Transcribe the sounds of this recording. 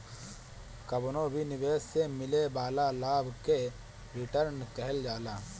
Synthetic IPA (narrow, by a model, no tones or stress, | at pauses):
kɐbnõbʱinɪbeːsːemɪlebaːlalaːbʱke | ɾɪʈəɾnkɐɦəld͡ʒaːlaː